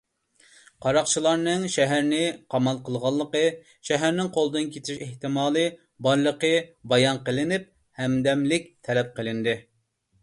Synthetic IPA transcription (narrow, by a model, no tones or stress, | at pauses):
qʰɑɾɑqt͡ʃʰilˠɑɾnɨŋʃɛɦæɾnɪqʰɑmɑlˠqʰəlˠʁɑlˠːəqə | ʃɛɦæɾnɪŋqʰolˠɨd̪ɨnkʲʰet̪ʰɪʃeht̪ɨmɑːlˠɨ | bɑɾlˠəqəbɑjɑnqəlˠɪnɪp̚ | hɛmd̪ɛmlɪk̚ʲt̪ʰɛlɛp̚qʰəlˠɪnd̪ɪ